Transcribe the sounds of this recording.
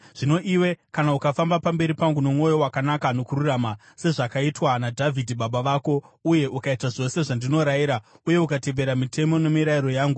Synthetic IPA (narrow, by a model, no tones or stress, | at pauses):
ʐ̥ino̞ʔiwe̞kanaukafambapambe̞ɾipaŋɡuno̞mŋo̞jo̞wakanakano̞kururama | se̞ʐakaitwanadʱavʱidʱiɓaɓaʋaːko̞uje̞ʔukaitaʐo̞se̞ʐandino̞ɾajiɾauje̞ukate̞ʋe̞ɾamitʰe̞mo̞ne̞miɾaiɾo̞jaːŋɡu